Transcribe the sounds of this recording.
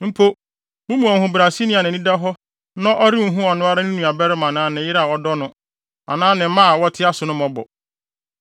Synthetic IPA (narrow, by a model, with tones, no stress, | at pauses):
m̩˦pʰo˦ | mʊ̃˦mũ˨ɔ˨hʊ̃˦bɾa˨si˦nɪ̃˦a˨nɪ̃˨nĩ˦da˦ɦɔ˦ | nã˦ʔɔ˦ɾi˦m̩˨˦ɦũ˦ɔ˨nʊ̃˦a˦ɾa˦nɪ̃˦nũ˨a˨bɛ˦ɾɪ˦mã˨nãː˨˦˨nɪ̃˨jɪ˦ɾa˦˨wɔ˦dɔ˦nʊ̃˦ | a̰˨nãː˦nɪ̃˨m˦mã˦˨wɔ˦tʰɪ˦a˦sʊ˨nʊ̃˦mɔ̃˦bɔ̰˨